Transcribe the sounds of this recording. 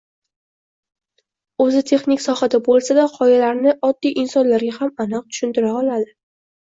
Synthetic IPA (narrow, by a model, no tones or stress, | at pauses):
ɵzɪt̪ʰe̞χnɪkʲsɒhad̪abolˠsad̪aqʰɒjalaɾnɪʔɒd̪ːijʔɪnsɒnlaɾɡʲahamanɨq̚t̪ʰʊ̥ʃʊnt̪ɪɾaɒlˠad̪ɪ